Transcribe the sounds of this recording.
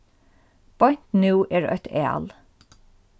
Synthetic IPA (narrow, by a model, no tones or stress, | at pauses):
b̥ɔɪnt̪nʉːʔeːɖ̰ʔœt̪ʰḛːɑ̰l